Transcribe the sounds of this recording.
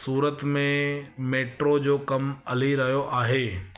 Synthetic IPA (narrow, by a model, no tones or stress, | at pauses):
suːɾət̪mẽmeːʈɾod͡ʑoːkɐmɐliɾɐɦijoʔaːɦeː